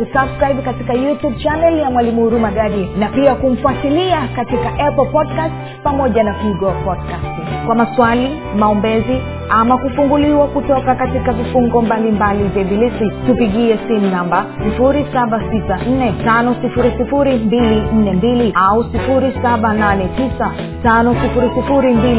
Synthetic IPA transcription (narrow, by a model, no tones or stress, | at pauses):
usabskɾaibkatikajutub̚t͡ʃanɛljamwalimuuɾumaɡaɾiɛnapiakum̩fwatiliakatikaʔɛpɔl̩pɔdkast | pamɔʄanafiiɡɔpɔdkast | kwamaswali | maɔmbɛzi | amakufuŋɡuliwakutɔkakatikavifuŋɡɔmbalimbalivɛbilisitupiɠiɛsim̩nambasifuɾisaɓasisan̩nɛtanɔsifuɾisifuɾimbilin̩nɛmbiliausifuɾisaɓananɛtisa | tanɔsifuɾisifuɾimbil